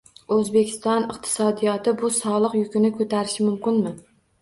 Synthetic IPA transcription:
ɵzbe̞kʲʰɪ̥st̪ɒnɪqt̪ʰɪ̥sɒd̪ijɒt̪ɪbʊsɒlˠɨqjʊkʲʰɪnɪkʰɵt̪ʰaɾɪʃɪmʊmkʲɪnmɪ

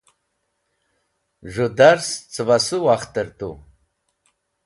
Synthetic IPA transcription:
ʒʷud̪aɾst͡sʰʼɨvasuwaχt̪ʰʼɨɾt̪ʼṵ

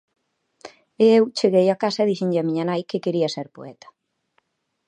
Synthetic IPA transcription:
eewt͡ʃeɣejakasɐeðiʃiɲʎɪɐmiɲɐnajkɪkeɾiɐseɾpo̰ɛt̪ɐ̥

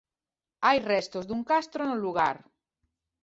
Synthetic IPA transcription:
ajrɛst̪ozðuŋkast̪ɾonelːuɣ̞aɾ

